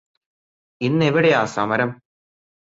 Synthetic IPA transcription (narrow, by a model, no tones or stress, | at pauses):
inːeʋiɽejaːsɐ̰mɐɾɐm